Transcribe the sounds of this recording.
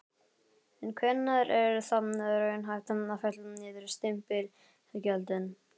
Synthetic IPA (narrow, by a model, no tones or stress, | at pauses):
ɛnkʰvɛnːaɾɛɾɾθapnaɾaɪnɦajft̪annafɛt̪lmnɪːðɪɾɪst̪ɪmpɪɾ̥ | ɛcœlt̪ɪn